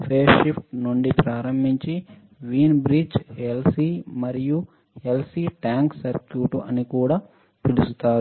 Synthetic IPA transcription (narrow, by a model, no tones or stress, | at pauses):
pʰeːʃipʰʈnuɳɖipɾaːɾɐmbʱiɲt͡ʃi | ʋiːnbɾid͡ʒelsimɐɾiju | elsiʈaːŋksɐɾkjuːʈuʔɐnikuːɽaː | pilusut̪aːɾu